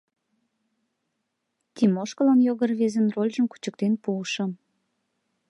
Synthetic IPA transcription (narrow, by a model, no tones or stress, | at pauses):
t̪ʲimoʃkəlɑnjoɣərβezənrolʲʒəmku̥t͡ɕək̚t̪enpuːʃə̆m